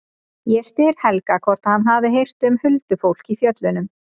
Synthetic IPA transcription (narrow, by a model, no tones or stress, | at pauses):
jɛspɪɾhɛlkakʰvɔr̥t̪aðhanɦaðɪɦejr̥t̪ʏmhʏlt̪ʏfowl̥kifjœt̪lʏnʏm